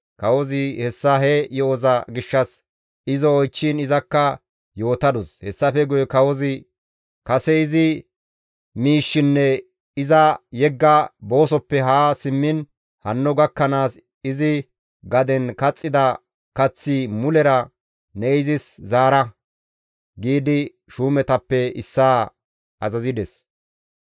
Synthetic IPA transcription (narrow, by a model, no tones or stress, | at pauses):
kɐwɔzɪhɛsːɐɦɛjɔɔzɐɡɪʃːɐs | ɪzɔːjt͡ʃːɪnɪzɐkːɐ | jo̞ːt̪ɐd̪ɔshɛsːɐfɛɡʊjɛkɐwɔzɪ | kɐsɛɪzɪ | miːʃːɪnːɛ | ɪzɐjɛɡːɐbo̞ːsɔpːɛɦaːsɪmːɪn | hɐnːɔɡɐkːɐnaːs | ɪzɪ | ɡɐd̪ɛnkɐt͡sʼːɪd̪ɐ | kɐt͡sːɪmʊlɛɾɐ | nɛɪzɪszaːɾɐ | ɡiːd̪ɪ | ʃuːmɛt̪ɐpːɛɪsːaː | ɐzɐzɪd̪ɛs